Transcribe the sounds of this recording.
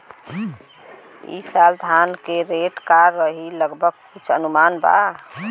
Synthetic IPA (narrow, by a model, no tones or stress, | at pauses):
ḭsald̪ʱankeɾeʈkaɾːəɦiləɡbʱəɡ̚kit͡ʃʰə̰numanba̰